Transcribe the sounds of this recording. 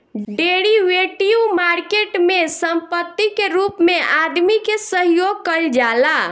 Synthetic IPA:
ɖeɽiʋeʈiumaɾkeʈmesəmpət̪ːikeɾupmeʔad̪mikesəɦjoɡ̚kəld͡ʒala

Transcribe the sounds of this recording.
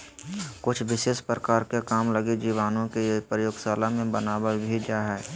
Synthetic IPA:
kʊt͡ʃʰʋɪʃeːʃpɾəkaːɾkekaːmləɡed͡ʒiːʋaːnõkepɾəjoːɡsaːlamẽbənaːbəɾbʱid͡ʒaːɦɛː

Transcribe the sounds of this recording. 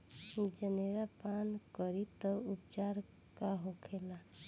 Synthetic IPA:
d͡ʒəneɾapankəɾit̪ɔupd͡ʒaɾ | kaɦokʰela

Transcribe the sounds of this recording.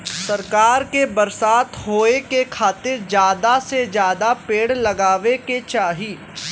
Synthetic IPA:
sɐɾkaːɾkebɐɾsaːt̪ɦoːekekʰaːt̪ɪɾd͡ʒjaːd̪ased͡ʒjaːd̪apeːɽlɐɡaːʋeket͡ʃaːɦiː

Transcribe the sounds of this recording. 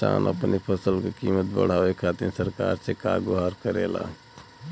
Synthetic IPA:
a̰ːnə̰pnipʰəsəlkekiːmət̪̚bə̰ɽ̤aːʋekʰaːt̪iɾsəɾkaːɾseka̰ːɡoɦaɾkəɾela̰

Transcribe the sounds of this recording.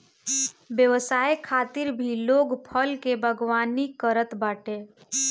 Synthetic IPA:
bjəʋəsaːjkʰaːt̪ɪɾbʱiloːɡpʰəlkebʱəɡwaːnikəɾət̪baːʈẽ

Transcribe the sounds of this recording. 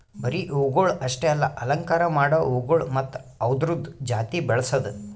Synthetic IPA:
bɐɾiʔuɡoɭɐʂʈeɐlːɐʔɐlɐŋkaːɾɐmaːɽɐuːɡoɭmɐt̪ːɐʋd̪ɾud̪ʱd͡ʒaːt̪ibɛɭɐsɐd̪u

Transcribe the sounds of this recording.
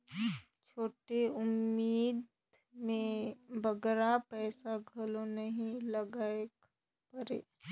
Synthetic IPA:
t͡ʃʰoːʈeʊmːiːd̪ | mẽbʱəɡɾapɛːsaɡʱəlonəɦĩləɡaek | pəɾḛː

